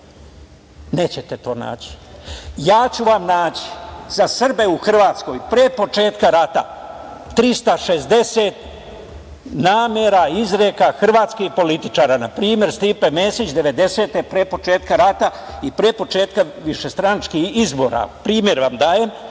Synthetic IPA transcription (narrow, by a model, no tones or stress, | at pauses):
ne̞ːt͡ɕet̪et̪o̞ːna̰ːt͡ɕi̥jaːt͡ɕuʋamnaːt͡ɕi̥zasr̩be̞uxr̩ʋaːt̪sko̞jpɾeːpo̞t͡ʃe̞ːt̪kaɾat̪a̰t̪ɾist̪aʃezd̪e̞set̪ | naːmeɾaizɾekaxr̩ʋaːt̪skihpo̞lit̪i̥t͡ʃaːɾanapɾiːmje̞ɾst̪iːpemeːsit͡ɕd̪e̞ʋe̞d̪e̞se̞ːt̪epɾeːpo̞t͡ʃeːt̪kaɾat̪a | ipɾepo̞t͡ʃeːt̪kaʋiʃe̞st̪ɾanat͡ʃkihizbo̞ɾa̰pɾiːmje̞ɾʋamd̪aːjem